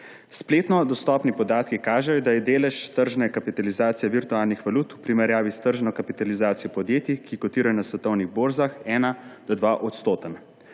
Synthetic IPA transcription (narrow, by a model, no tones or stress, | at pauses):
spleːt̪nɔd̪ɔst̪ɔːpnipɔd̪aːt̪kikaːʒɛjɔd̪ajɛd̪eːlɛʃt̪əɾʒnɛkapit̪alizaːt̪sijɛʋiɾt̪uaːlnixʋaluːt̪upɾimɛɾjaːʋist̪əɾʒnɔkapit̪alizaːt̪sijɔpɔd̪jeːt̪ikikɔt̪iːɾajɔnasʋɛt̪ɔwniɣboːɾzaxɛːnad̪̥ɔd̪ʋaʔɔt̪st̪oːt̪ən